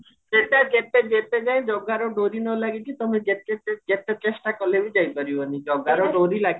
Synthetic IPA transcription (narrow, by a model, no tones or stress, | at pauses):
d͡ʒeʈaɡepeɡeped͡ʒajd͡ʒɔɡaɾɔɖoɾinɔlaɡikit̪ɔmeɡeʈeɡepet͡ʃesʈakɔlebid͡ʒajpɔɾibɔnid͡ʒɔɡaɾɔɖoɾilaɡi